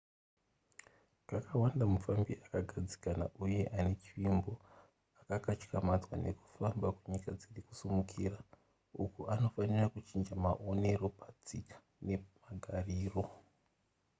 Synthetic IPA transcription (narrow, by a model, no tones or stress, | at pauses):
kakawandamufambiʔakaɡʱad͡zi̥kana̰ʔuje̞ʔane̞t͡ʃiʋimbo̞ | akakat͡ʃkamad͡zwa̰ne̞̰ku̥fambakuɲikad͡ziriku̥sumukʰira | ukuano̞fanirakut͡ʃind͡ʒamaʔo̞ne̞ɾo̞pad͡zikḁ | ne̞maɡʱariːro̞